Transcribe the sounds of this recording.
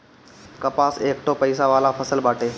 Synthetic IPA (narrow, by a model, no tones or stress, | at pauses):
kɐpaːseːkʈʰopəɪsaʋaːlafʰɐsəlbaːʈeː